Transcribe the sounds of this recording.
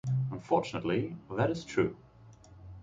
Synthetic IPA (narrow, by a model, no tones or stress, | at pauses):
ə̃nfɔɹt͡ʃɨnətˡliðəɾɨz̥tʰɹ̥ʉ